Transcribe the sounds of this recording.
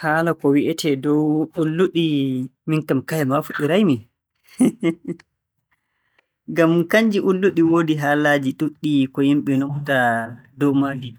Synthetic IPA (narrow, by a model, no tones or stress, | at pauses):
haːlakɔwiʔɛtʰɛdɔwulːuɗiminkamkajɛmafuɗiɾajmi | ɡamkaɲd͡ʒiʔulːuɗiwoːdiɦaːlaːd͡ʒiɗuɗːikɔjimɓɛnɔktadɔwmaːdi